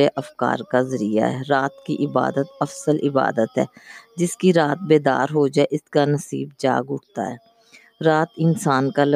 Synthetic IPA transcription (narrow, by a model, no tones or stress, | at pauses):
eʔɐfka̰ːɾkazəɾija̰ɦɛːɾaːt̪kiʔɪba̰ːd̪ət̪ɐfsəlʔɪba̰ːd̪ət̪ɦɛ̰ːd͡ʒɪskiɾaːt̪̚beːd̪a̰ːɾɦoːd͡ʒaːɛʔɪskanɐsḭːbd͡ʒa̰ːɡʊʈʰt̪a̰ɦɛː | ɾaːt̪ɪnsaːnkal